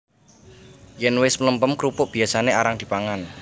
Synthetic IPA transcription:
jɛnwɪsmələmpəmkɾupʊʔb̥i̤asaneaɾaŋd̪̥i̤paŋan

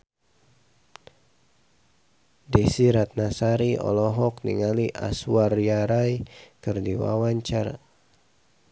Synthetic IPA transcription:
dɛsiɾat̪̚nasaɾiɔ̰lɔɦɔknḭŋaliʔa̰suwarjaɾajkɨrdiwa̰waɲt͡ʃar

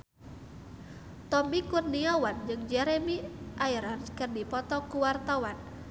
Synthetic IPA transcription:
t̪ɔmikurniawand͡ʒɨŋd͡ʒɛɾemiʔaiɾɔrkɨrdipɔt̪ɔkuwart̪awan

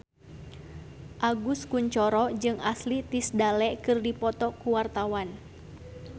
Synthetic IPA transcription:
ʔaɡuskuɲt͡ʃɔɾɔd͡ʒɨŋaslit̪isdalɛkɨrdipɔt̪ɔkuwart̪awan

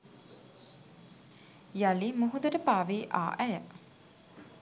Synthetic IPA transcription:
jalimuɦud̪əɾəpaːʋeːʔa̰ːʔæjə

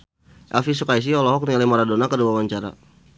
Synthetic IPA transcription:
ʔɛlfisukais̬iɔlɔɦɔk̚nialimaɾadonakəduwawaɲt͡ʃaɾa̰

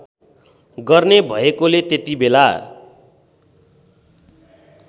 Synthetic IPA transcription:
ɡʌrnebʱʌekolet̪et̪ibela

